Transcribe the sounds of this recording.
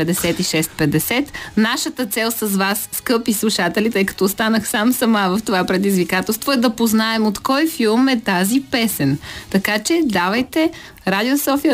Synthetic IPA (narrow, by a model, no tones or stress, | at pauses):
pɛd̪ɛsɛt̪iʃɛst̪̚pɛd̪ɛsɛt̪naʃət̪ət̪sɛlˠsəzvasːkɤpislˠuʃat̪ɛlit̪əjkɐ̥t̪ɔːst̪anəxsamsɐmavɐft̪ovapɾɛd̪izvikat̪ɛlˠst̪voɛd̪ɐpoznaɛmot̪kɔjfilˠmɛt̪azipɛsɛnt̪ɐkat͡ʃɛd̪avɐjt̪ɛ | ɾad̪iosɔfiə